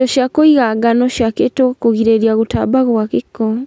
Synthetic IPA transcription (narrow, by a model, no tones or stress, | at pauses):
ɔʃjakoiɣaɡanɔʃjaketokoɣiɾeɾjaɣotabaɣakekɔ